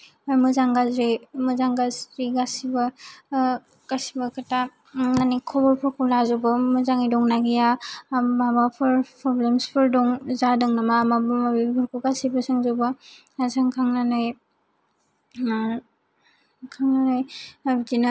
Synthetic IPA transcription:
mɯzaŋɡazɾimɯzaŋɡazɾiɡasiba | kasibakʰata | nanikʰɔbɔɾpʰɔkʰulazɔbɯmɯzaŋidɔŋnaɡijababapʰɯɾpʰɾɔblemspʰɯɾdɔŋzadɯŋnamamabmabipʰɔɾkʰuɡasibasɯŋzoba | azaŋkʰaŋnanɯj | kʰaŋnanajbdina

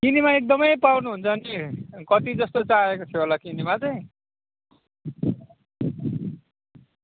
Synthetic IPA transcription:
kinimaek̚d̪ʌmʌjpawrnuɦunt͡sʰʌʌnikʌt̪id͡zʌst̪ot͡saekot̪ʰjoɦolakinimat͡sʌj̃

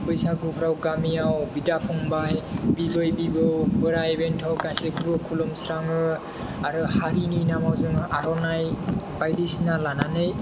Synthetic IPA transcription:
pɯjsaɡupʰɾawɡamijawbidapʰɔŋbajbibɯjbibɯwbɯɾaebentʰawkajseɡuɾɔkʰulɔmsɾaŋɯ | aɾɯhaɾininamawzɯŋɯʔaɾɔnajbajdisnalananɯj

